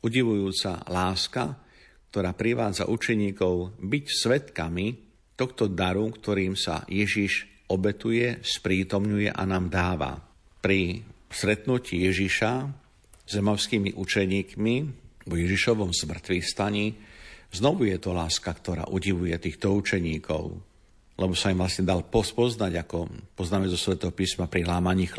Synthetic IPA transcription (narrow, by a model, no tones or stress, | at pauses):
uɟiʋujuːt͡sa̰laːska | k̚t̪ɔɾaːpɾiʋaːd͡za̰ʔut͡ʃɛɲiːkɔʊbicsʋɛt̪kami | t̪ɔxt̪ɔd̪aɾukt̪ɔɾiːmsa̰jɛʒiʃ | ɔbɛt̪ujɛspɾiːt̪ɔmɲujɛ̰ʔa̰naːmd̪aːʋa̰ | pɾist̪ɾɛt̪nucijɛʒiʃa | zɛmaʊskiːmiʔut͡ʃɛɲiːkmivɔjɛʒiʃɔʋɔmzmr̩t̪ʋist̪aɲiznɔʋujɛt̪ɔlaːskakt̪ɔɾa̰ːʔuɦiʋujɛt̪iːxt̪ɔut͡ʃɛɲiːkʰɔ̰ʊ | lɛbɔsaimʋlasɲɛd̪alpɔspɔznaɟakɔpɔznaːmɛzɔsʋɛt̪ɛɦɔpiːsmapɾiɦlaːmaɲiːx